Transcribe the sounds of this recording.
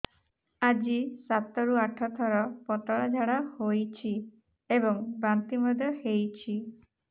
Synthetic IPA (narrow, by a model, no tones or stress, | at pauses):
ad͡ʒisat̪ɔɾuaʈʰɔt̪ʰɔɾɔpɔt̪ɔɭad͡ʒʱaɽahojt͡ʃʰi | ebɔŋbant̪imɔd̪ʱjɔhejt͡ʃʰi